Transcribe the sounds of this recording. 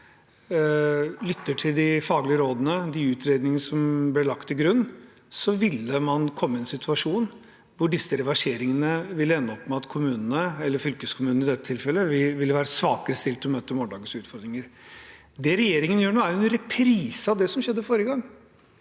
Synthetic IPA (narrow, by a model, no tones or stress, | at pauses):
lʏt̪ːəʈʰɪld̪ɪfɑːɡlɪəɾoːd̪ənəd̪ɪʉːt̪ɾeːd̪nɪŋənəsɔmblɪɭɑkt̪ːɪɡɾʉnː | sɔʋɪlːəmɑnkʰɔmːəɛnsɪt̪ʰʉɑʂuːn | ʋʊɖɪsːəɾɛʋɑʂeːɾɪŋənəʋɪlːəɛnːəɔpːmɛɑt̪kʰʊmʉːnənəɛlːəɾfʏlkəskʰʊmʉːnn̩ɪd̪ɛt̪ːət̪ʰɪlfɛlːəʋɪʋɪlːəʋæːɾəsʋɑːkəɾəst̪ɪlt̪ʰmøːt̪əɔmɔːɳɖɑːɡən̩sʉːt̪fɔɾd̪ɾɪŋəɾ | d̪ɛɾɛjeːɾɪŋənjøːɳoːæɾɛnɾɛpʰɾiːsɑʋd̪ɛsɔmɕɛd̪ːəfoːɾəɡɑŋː